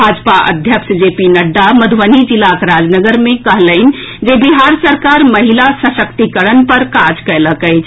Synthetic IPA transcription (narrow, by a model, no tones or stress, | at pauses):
bʱad͡ʒpaʔə̰d̪ʱjəkʃd͡ʒepinəɖːaməd̪ʱuʋənid͡ʒilːakɾad͡ʒnəɡəɾmẽkəɦləɪn̆ | d͡ʒebiɦaɾsəɾkaɾməɦilasəsəkt̪ikəɾənpəɾkad͡ʒkɛləkɛɪt͡ʃʰ